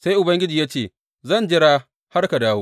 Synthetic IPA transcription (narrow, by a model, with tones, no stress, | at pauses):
sa˦jʔʊ˨bɐ˦ŋɡʲɪ˦d͡ʒiː˨jaː˦t͡ʃeː˦˨ | zɐ˦˨nd͡ʒɪ˦ɽaː˦ | ha˦rka˨daː˦woː˦